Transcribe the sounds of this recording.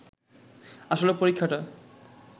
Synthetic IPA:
aʃolepoɾikʰːaʈa

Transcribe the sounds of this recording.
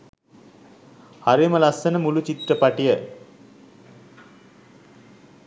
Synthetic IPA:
aɾiməlɐsːɐnəmulut͡ʃit̪rəpaʈijə

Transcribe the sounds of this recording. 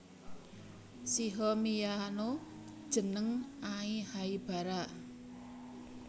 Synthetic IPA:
siɦɔmijanod̥ʒ̥ə̤nəŋʔaihaib̥a̤ɾaʔ

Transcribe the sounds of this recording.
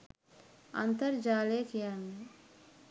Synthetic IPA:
ɐ̰nt̪əɾd͡ʒaːleːkijan

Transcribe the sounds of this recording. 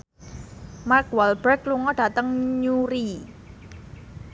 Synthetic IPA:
markwalbərkluŋɔɖ̥a̤t̪əŋɲuɾi

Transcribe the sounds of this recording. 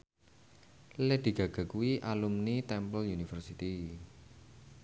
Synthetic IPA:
led̪̥i̤ɡ̥a̤ɡ̥a̤kuwiʔalumnit̪ɛmpəljunifərsit̪i

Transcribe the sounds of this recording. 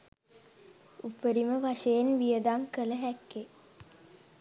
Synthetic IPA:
upəɾiməʋaʂəjenʋijəd̪aŋkələɦækːe

